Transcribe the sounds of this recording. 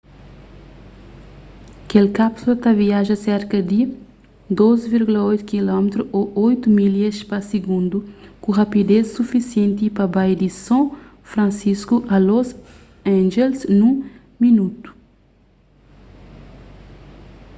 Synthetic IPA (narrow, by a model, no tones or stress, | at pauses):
kelkapsulɐt̪aviaʒɐsɛɾkɐd̪ɪ | d̪ozviɾɡulɐojt̪ukilɔmet̪ɾuʔoʔojt̪umiliespɐsiɡũnd̪ukũʁapid̪essufisiẽnt̪ipɐbajd̪isɐ̃ | fɾɐ̃nsiskuʔɐloz | ãʒelsnũ | minut̪u̥